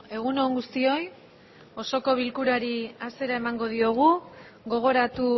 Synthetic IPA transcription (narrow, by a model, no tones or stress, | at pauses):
e̞ɣuno̞ŋɡust̪io̞j | o̞so̞ko̞β̞ilkuɾaɾiase̞ɾae̞maŋɡo̞ðio̞ɣ̞u | ɣo̞ɣ̞o̞ɾat̪u